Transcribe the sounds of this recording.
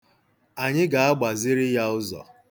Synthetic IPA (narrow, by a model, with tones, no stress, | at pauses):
a˨ɲɪ˦ɡa˨a˦ɡ͡ba˨zɪ˦ɾɪ˦ja˦ʊ˦zɔ̰˨